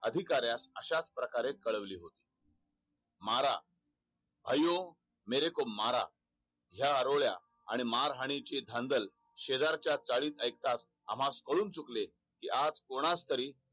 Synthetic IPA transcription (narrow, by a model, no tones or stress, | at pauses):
əd̪ʱikaɾjasəɕat͡spɾəkaɾekəɭəʋliːɦot̪i̥ː | maɾa | bʱajõ | meɾekomːaɾa̰ | ɦjaəɾoʋɭja̰ː | ɽ̃imaɾɦaɽ̃it͡ɕed̪ʱãnd̪əl | ɕed͡zaɾt͡ɕjat͡saɭiːt̪əjk̚t̪as | a̰m̤ãskəɭuːnt͡sukle | kiːʔad͡zkoɽ̃ast̪əɾiː